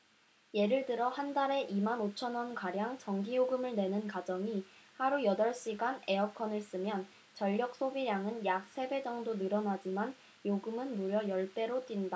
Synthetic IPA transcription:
je̞ɾɯɭdɯɾʌhandaɾe̞ʔimanot͡ɕʰʌnwʌnkaɾjaŋt͡ɕʌŋɡijoɡɯmɯɭne̞nɯnkad͡ʑʌŋihaɾujʌdʌɭɕ͈iɡane̞ʌkʰʌnɯɭs͈ɯmjʌn | t͡ɕʌʎːʌk̚s͈obiɾjaŋɯnjak̚s͈ʰe̞be̞d͡ʑʌŋdonɯɾʌnad͡ʑiman | joɡɯmɯnmuɾjʌjʌɭt͈e̞ɾot͈winda

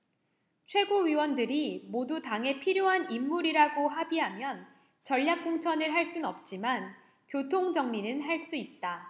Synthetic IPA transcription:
t͡ɕʰwe̞ɡoɥiwʌndɯɾimodutaŋɦe̞pʰiɾjoɦanimːuɾiɾaɡoɦabiɦamjʌn | t͡ɕʌʎːjak̚k͈oŋt͡ɕʰʌnɯɭɦaɭs͈unʌp̚t͡ɕ͈iman | kjotʰoŋd͡ʑʌŋɲinɯnɦaɭs͈uit̚t͈a

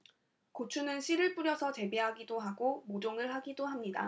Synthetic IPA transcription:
kot͡ɕʰunɯnɕʰiɾɯɭp͈uɾjʌsʰʌt͡ɕe̞biɦaɡidoɦaɡomod͡ʑoŋɯɭɦaɡidoɦamɲida̰

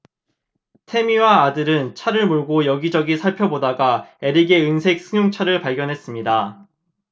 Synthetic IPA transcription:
tʰe̞miwaːdɯɾɯnt͡ɕʰaɾɯɭmuɭɡojʌɡid͡ʑʌɡisʰaɭpʰjʌbodaɡaeɾiɡe̞ɯnsʰe̞k̚s͈ʰɯŋjoŋt͡ɕʰaɾɯɭpaɭɡjʌnɦe̞s͈ɯmɲida

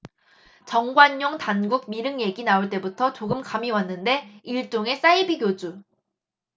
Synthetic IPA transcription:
t͡ɕʌŋɡwaɲːoŋtanɡuɡ̚miɾɯŋje̞ɡinauɭt͈e̞butʰʌt͡ɕoɡɯmkamiwanːɯnde̞iɭt͡ɕ͈oŋe̞s͈aibiɡjod͡ʑu

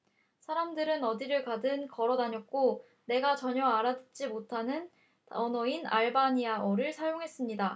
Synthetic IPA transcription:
sʰaɾamdɯɾɯnʌdiɾɯɭkadɯnkʌɾʌdaɲʌk̚k͈o | ne̞ɡat͡ɕʌɲʌaɾadɯt̚t͡ɕ͈imotʰanɯn | tʌnʌina̰ɭbaɲiaʔʌɾɯɭsʰajoŋɦe̞s͈ɯmɲida

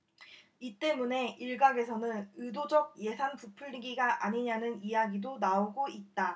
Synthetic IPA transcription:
it͈e̞mune̞ʔiɭɡaɡe̞sʰʌnɯnɯdod͡ʑʌɡ̚je̞sʰanpupʰuɭːiɡiɡaʔaɲiɲanɯnijaɡidonaoɡoit̚t͈a

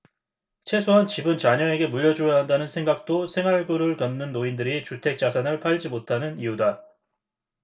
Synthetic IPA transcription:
t͡ɕʰe̞sʰoɦant͡ɕibɯnt͡ɕaɲʌe̞ɡe̞muʎːʌd͡ʑojʌɦandanɯnsʰeŋɡak̚t͈osʰe̞ŋɦaɭɡɯɾɯɭkʌnːɯnːoindɯɾit͡ɕutʰe̞k̚t͡ɕ͈asʰanɯɭpʰaʎd͡ʑimotʰanɯnijuda

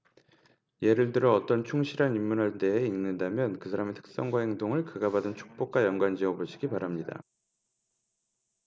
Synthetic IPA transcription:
je̞ɾɯɭtɯɾʌːt͈ʌnt͡ɕʰuŋɕʰiɾɦanimːunɦaɭt͈e̞ɦeinːɯndamjʌnkɯsʰaɾametʰɯ̥k̚s͈ʌŋɡwahe̞ŋdoŋɯɭkɯɡabadɯnt͡ɕʰu̥k̚p͈ok̚k͈ajʌŋɡwand͡ʑiʌboɕʰiɡipaɾamɲida̰

